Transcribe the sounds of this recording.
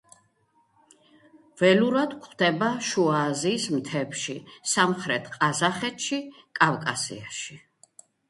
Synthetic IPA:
v̥ɛluɾad̪kʰχd̪ɛbaʃuaːziːsmt̪ʰɛpʃisamχɾɛt̪ʰqʼazaχɛt̪ʰʃi | kʼavkʼasḭaʃi

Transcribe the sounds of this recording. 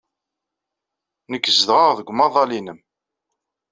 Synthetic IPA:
nəkːəzðʁəʁðəɡʷmɑðˤɑlinəm

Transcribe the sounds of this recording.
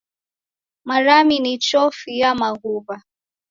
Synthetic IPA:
maɾaminit͡ʃɔfijamaɣuβa

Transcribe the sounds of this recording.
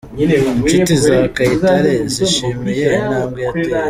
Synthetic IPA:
t͡ʃitizakaitaɾeziʃiːmejenaːmɡea

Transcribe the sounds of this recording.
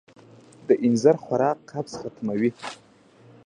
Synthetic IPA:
d̪əʔɪnzaɾxwaɾɑːqʰːapsχat̪mawi

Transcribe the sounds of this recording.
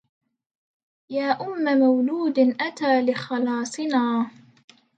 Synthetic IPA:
jaːʔʊmːamawluːd̪ɪnʔat̪aːlɪxɑlɑːsˤɨnaː

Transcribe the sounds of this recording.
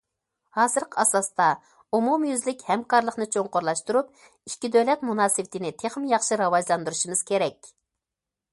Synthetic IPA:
hɑːzɨɾqʰəɑsɑst̪ɑ | umumjyzlɪkʲhɛmkɑɾlˠəχnɨt͡ʃʰoŋqʊɾlˠɑʃt̪uɾup̚ | iʃkʲːid̪ølɛt̪munɑːsɨwɪt̪ʰɪnɪt̪ʰeχmjɑχʃiɾɑwɑʒlˠɑnd̪uɾuʃimɨz̥kʲʰeɾɛkʲ

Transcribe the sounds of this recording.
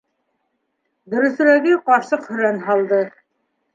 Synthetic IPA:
d̪ɵ̆ɾɵ̆θ̆ɾæɡɘqɑɾsɤqhɵ̆ɾænɦɑlˠd̪ɤ

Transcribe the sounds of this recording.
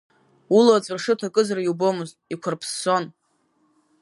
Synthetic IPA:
ulat͡sʷʼɨrʂɨtʰakʼɨzarajubomɨz | ikʷʰarpʰsːo̞n

